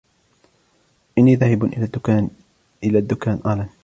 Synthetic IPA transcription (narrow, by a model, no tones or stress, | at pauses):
ʔɪnːiːðaːhɪbʔɪa | ʔɪlaːd̪ːʊkaːnʔaːlan